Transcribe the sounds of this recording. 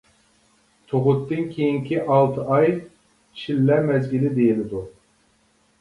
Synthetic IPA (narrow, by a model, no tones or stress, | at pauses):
t̪ʰoʁʊt̪ʰːɨnkʲʰejiŋkʲiʔɑlˠt̪ʰɨʔɑj | ʃilːɛmɛzɡʲilɪd̪ejilɪd̪u